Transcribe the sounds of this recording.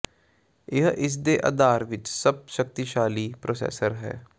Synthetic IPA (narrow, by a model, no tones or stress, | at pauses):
ɪɦʔɪs̬d̪eːʔa̰d̪aːɾʋɪt͡ʃsəb̚ʃək̚t̪iʃaːliːpɾoːsɛ̰ːsəɾɦɛ̰ː